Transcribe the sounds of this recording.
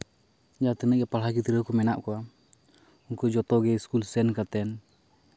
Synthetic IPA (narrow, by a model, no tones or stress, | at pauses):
d͡ʒat̪inɛkɛpalɦakit̪iɾəkumɛnaʔkua | uŋkud͡ʒɔt̪ɔɡɛiskulsɛnkat̪ɛn